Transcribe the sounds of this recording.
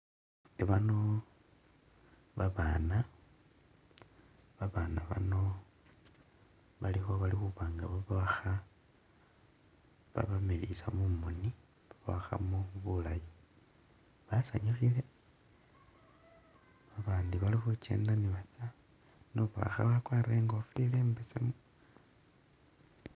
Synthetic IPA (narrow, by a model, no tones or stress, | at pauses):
eβano̞ | βaβaːna | βaβaːnaβa̰no̞ | βalixo̞βalixuβaːŋɡaβaβaaxa | βa̰βamelisamumoni | βaβaxa̰muβulaji | βasa̰ɲixile | βaβaːndiβalixut͡ʃe̞̰ːndaniβat͡sa | noβa̰xa̰βakwaːɾeːŋɡofile̞ːmbesemu